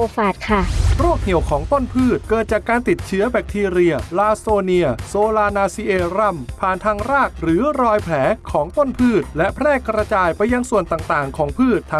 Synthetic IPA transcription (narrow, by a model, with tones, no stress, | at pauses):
o˧faː˨˩t̪̚kʰa˥˩ɾo˥˩ək̚ni˨˩əwkʰɔː˩˦ŋt̪o˥˩npʰɯː˥˩t̪̚kɤː˨˩t̪̚t͡ɕaː˨˩kːaː˧nt̪i˨˩t̪̚t͡ɕʰɯ˦˥ɐbɛː˨˩k̚t̪ʰiː˧ɾi˧ɐlaː˧soː˧ni˧ɐsoː˧laː˧naː˧si˧ʔeː˧ɾa˧˩mpʰaː˨˩nt̪ʰaː˧ŋɾaː˥˩k̚ɾɯː˩˦ɾɔː˧jpʰlɛː˩˦kʰɔː˩˦ŋt̪o˥˩npʰɯː˥˩t̪̚lɛ˦˥ʔpʰɾɛː˥˩kɾa˧t͡ɕaː˧jpa˧jːa˧ŋsu˨˩ənt̪aː˨˩ŋt̪aː˨˩ŋkʰɔː˩˦ŋpʰɯː˥˩t̪ʰː